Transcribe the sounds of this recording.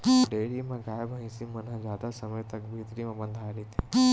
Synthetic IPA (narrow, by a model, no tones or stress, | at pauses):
ɖeːɽimẽɡaːjbʱə̃ĩsimɐnə̃d͡ʒaːd̪asɐməjt̪ɐkbʱiːt̪ɾimẽbə̃nd̪ʱaːɾit̪ʰiː